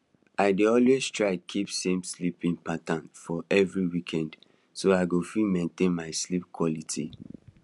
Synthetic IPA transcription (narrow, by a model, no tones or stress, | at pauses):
aɪdeɔlwez̥tʰɹaɪkʰipsẽmslipĩnpatãnfɔʔɛvɹiwikʰɛ̃nd | soaɪɡofilmẽntẽnmaɪslip̚kʰwɔlitʰḭ